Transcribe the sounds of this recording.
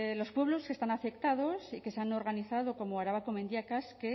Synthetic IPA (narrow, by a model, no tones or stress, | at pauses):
lo̞spwe̞β̞lo̞ske̞st̪anafe̞kt̪að̞o̞sike̞seano̞ɾɣaniθaðo̞ko̞moaɾaβakome̞nd̪jakaske